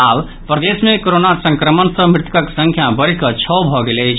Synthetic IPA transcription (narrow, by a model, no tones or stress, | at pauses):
ab | pɾəd̪esmekoɾonasə̃ŋkɾəmənsəmɾɪt̪kəksə̃ŋkʰjabəɽkət͡ʃʰɔbʱɔɡelɛt͡ʃʰ